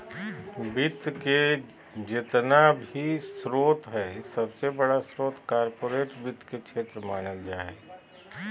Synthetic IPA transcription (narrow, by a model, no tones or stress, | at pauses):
bɪt̪ke | d͡ʒɪt̪nabʱisɾoːt̪ɦɛsɐbsebɐɽasɾoːt̪kaːɾpoːɾeːʈbɪt̪kekʃʰeːt̪ɾəmaːnəld͡ʒaːeː